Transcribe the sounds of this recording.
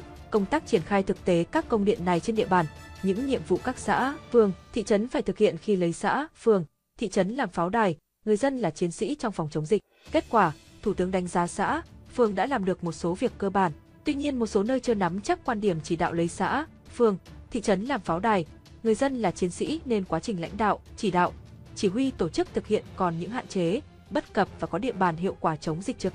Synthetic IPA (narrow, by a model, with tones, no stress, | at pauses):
kə˧wŋ͡mt̪aː˦˥k̚t͡ɕi˧˩ənxaː˧jt̪ʰɨ˨˩k̚t̪e˨˦kaː˦˥kːə˧wŋ͡mɗḭ˧˨ənːa˨˩jt͡ɕe˧nɗḭ˧˨əɓaː˨˩nɲɨ̰˧˥ŋɲḭ˧˨əmvṵ˧˨kaː˦˥k̚sa̰ː˧˥fɨ˨˩əŋt̪ʰḭ˧˨t͡ɕə˨˦nfaː˧˩jt̪ʰɨ˨˩k̚hḭ˧˨ənxi˧lə˨˦jsa̰ː˧˥fɨ˨˩əŋ | t̪ʰḭ˧˨t͡ɕə˨˦nlaː˨˩mfaː˨˦wɗaː˨˩j | ŋɨ˨˩əjzə˧nlaː˨˩t͡ɕi˨˦ənsḭ˧˥t͡ɕɔ˧wŋ͡mfɔ˨˩wŋ͡mt͡ɕə˨˦wŋ͡mzi˨˩k̟̚ke˦˥t̚kwaː˧˩t̪ʰu˧˩t̪ɨ˨˦əŋɗa˨˦jŋ̟zaː˨˦sa̰ː˧˥fɨ˨˩əŋɗa̰ː˧˥laː˨˩mɗɨ˨˩ək̚mo˨˩t̚so˨˦vi˨˩əkːəː˧ɓaː˧˩n | t̪wi˧ɲi˧ənmo˨˩t̚so˨˦nəː˧jt͡ɕɨ˧əna˨˦mt͡ɕa˦˥k̚kwaː˧nɗi˧˩əmt͡ɕi˧˩ɗa̰ː˧˨wlə˨˦jsa̰ː˧˥ | fɨ˨˩əŋt̪ʰḭ˧˨t͡ɕə˨˦nlaː˨˩mfaː˨˦wɗaː˨˩j | ŋɨ˨˩əjzə˧nlaː˨˩t͡ɕi˨˦ənsḭ˧˥ne˧nkwaː˨˦t͡ɕï˨˩ŋ̟la̰˧˥jŋ̟ɗa̰ː˧˨wʔt͡ɕi˧˩ɗa̰ː˧˨wʔt͡ɕi˧˩ɦwi˧t̪o˧˩t͡ɕɨ˦˥k̚t̪ʰɨ˨˩k̚hḭ˧˨ənkɔ˨˩nɲɨ̰˧˥ŋha̰ː˧˨nt͡ɕe˨˦ | ɓə˦˥t̚kə˨˩p̚vaː˨˩kɔ˨˦ɗḭ˧ənɓaː˨˩nɦḭ˧˨əwkwaː˧˩t͡ɕə˨˦wŋ͡mzi˨˩t͡ɕɨ˨˩